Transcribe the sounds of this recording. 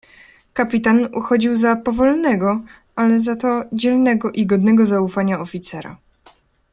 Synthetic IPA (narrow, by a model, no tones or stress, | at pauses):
kapʲit̪anṵxɔd͡ʑiwzapɔvɔlnɛɡɔ | alɛzat̪ɔd͡ʑɛlnɛɡɔʔiɡɔd̪nɛɡɔzaufaɲaɔfʲit̪sɛɾa̰